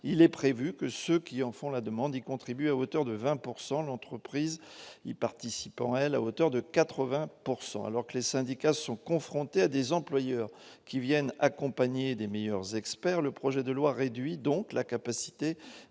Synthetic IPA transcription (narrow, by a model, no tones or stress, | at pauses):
ilɛpχevykəsøkʲiɑ̃fɔ̃lad̪əmɑ̃d̪ikɔ̃t̪χibyaot̪œʁd̪əvɛ̃puʁsɑ̃lɑ̃t̪χəpχizḭpaʁt̪isipɑ̰̃ɛla̰ot̪œʁd̪əkat̪χəvɛ̃puʁsɑ̰̃a̰lɔʁkəlesɛ̃d̪ikasɔ̃kɔ̃fχɔ̃t̪ead̪ezɑ̃plwajœʁ | kʲivjɛnakɔ̃paɲed̪emejœʁzɛkspɛʁləpχɔʒɛd̪əlwaʁed̪ɥid̪ɔ̃klakapasi̥t̪e